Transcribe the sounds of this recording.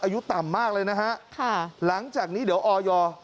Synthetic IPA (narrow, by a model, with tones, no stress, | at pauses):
ʔaː˧ju˦˥t̪a˨˩mːaː˥˩k̚lɤː˧jna˦˥kʰa˦˥ʔkʰa˥˩la˩˦ŋt͡ɕaː˨˩k̚niː˦˥di˩˦wʔɔː˧jɔː˧